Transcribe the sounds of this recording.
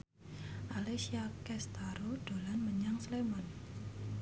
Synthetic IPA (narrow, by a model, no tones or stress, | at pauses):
ʔalesiakɛst̪aɾod̥olanməɲaŋslemɔn